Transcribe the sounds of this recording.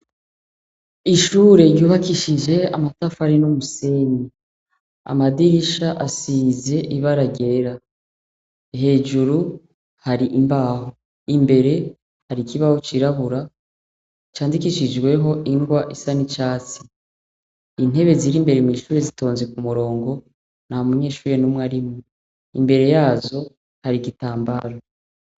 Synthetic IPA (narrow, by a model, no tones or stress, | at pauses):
iʃuːɾe̞ɾjuːβakiʃiʒe̞amatafaɾinomuseːni | a̰madiɾiʃaʔasiːze̞ʔiβaɾaɡe̞ɾa | ɦe̞ːd͡ʒuɾu | haɾiʔimbaːɦo | imbe̞ɾe̞ | haɾikiβaho̞t͡ʃiɾaβuɾa | t͡ʃaːndikiʃid͡ʒɡwe̞ɦo̞ʔiŋɡwaʔisanit͡ʃaːt͡si̥ | in̥e̞βe̞ziɾimbe̞ɾemiːʃuːɾe̞zito̞ːnzekumuɾo̞ːŋɡo̞ | namuɲe̞ːʃuːɾe̞numŋaɾimŋe | imbe̞ɾe̞jaːzo̞ | haɾiɡitaːmbaɾo